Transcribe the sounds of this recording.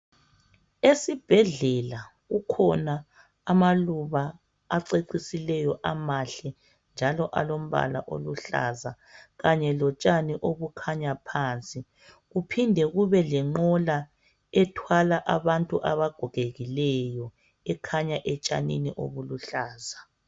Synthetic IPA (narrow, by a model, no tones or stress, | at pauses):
esib̥ʱɛɮɛlaɣukʰɔnaː | maluβaː | ǀeǀisilɛjɔʔamaɬɛ | nd͡ʒʱalɔʔalom̩βa̰la̰ʔo̰luɬa̰za | ɣaɲɛlɔt͡ʃʼaniʔoβukʰaɲapʰaːnt͡sʼi | ɣupʰindʱɛɣuβɛlɛŋ͡ǃɔla | ɛtʰwalaʔaβantʼuʔaβaɡ̥ʱɔɣʱeɣilɛjɔ | ɛkʰaɲaʔɛt͡ʃʼa̰nḭniʔo̰βuluɬaːza